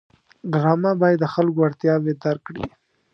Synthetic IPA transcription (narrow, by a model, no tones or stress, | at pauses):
ɖɾɑmabɑjad̪ːəxalkoaɽt̪jɑwed̪ɑɾkɽḭ